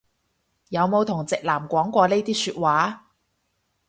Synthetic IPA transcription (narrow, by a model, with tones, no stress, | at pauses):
jɐ˨˧wmo˨˧wt̪ʰʊ˨˩ŋt͡sɪ˨k̚laː˨˩mkʷɔː˨˥ŋkʷɔː˧le˥jt̪iː˥syː˧t̚waː˨˥